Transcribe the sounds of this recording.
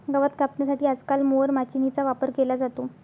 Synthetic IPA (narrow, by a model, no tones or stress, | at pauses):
ɡəʋət̪kapnəsaʈiːəd͡zkalmoɾmat͡ɕinit͡saʋapəɾkelad͡zat̪o